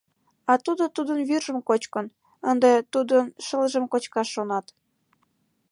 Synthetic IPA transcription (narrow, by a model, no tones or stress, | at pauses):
ɑt̪ud̪ot̪ud̪ənβyrʒə̆mkot͡ɕkən | ənd̪et̪ud̪ənʃəlʒəmkot͡ɕkɑʃːonɑt̪